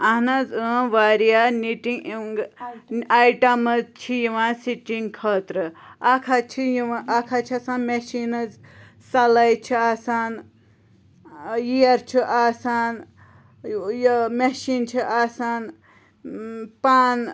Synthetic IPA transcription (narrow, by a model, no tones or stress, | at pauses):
ɐnɐzəʋaːɾijaniʈiiŋɡ | ajʈɐməzt͡ʃʰijiʋãːsiʈiŋkʰəːt̪ɾɨakʰat͡ʃʰijiʋãʔɐkʰat͡ʃʰiasaːnmeʃinɐz | sɐlɐjt͡ʃʰiaːsaːn | jiɐɾt͡ʃʰiʔaːsaːn | jmeʃiːnt͡ʃʰiʔaːsaːn | paːn